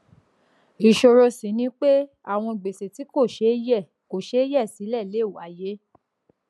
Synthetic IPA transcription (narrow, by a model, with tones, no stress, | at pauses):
i˨ʃo˧ɾo˧sĩ˨˦nĩ˦k͡pe˦ | a˦˨w̃ɔ̃˧i˨ɡ͡be˨se˨ti˨˦ko˦˨ʃe˨˦jɛ˦˨ | ko˨ʃe˦jɛ˦˨si˨˦lɛ˦˨le˨˦˨wa˨je˨˦